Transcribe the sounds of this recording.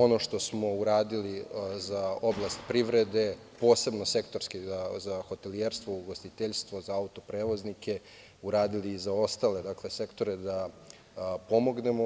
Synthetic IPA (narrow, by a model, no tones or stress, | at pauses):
o̞no̞ʃt̪o̞smo̞uɾaːd̪ilizao̞blast̪pɾiʋɾed̪e̞ | po̞ːse̞bno̞se̞kt̪o̞ɾskizazaxo̞t̪elieɾst̪ʋouɡo̞st̪it̪eʎst̪ʋo̞zaaut̪o̞pɾeːʋo̞znikʰe | uɾaːd̪iliːzao̞st̪aled̪akle̞se̞kt̪o̞ɾed̪a | po̞mo̞ɡne̞mo